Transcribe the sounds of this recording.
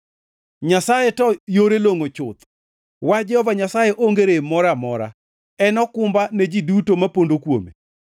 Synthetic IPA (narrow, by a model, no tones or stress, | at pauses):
ɲasajetɔjoɾeloŋot͡ʃʊt̪ | wad͡ʒɛhɔvaɲasajeʔoŋɡeɾemɔɾamɔɾa̰ | ɛnɔkʊmbaned͡ʒidutomapondokwo̰mḛ